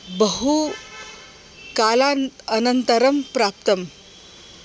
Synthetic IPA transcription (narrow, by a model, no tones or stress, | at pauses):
bəɦu | kalaənənt̪əɾəmpɾap̚t̪əm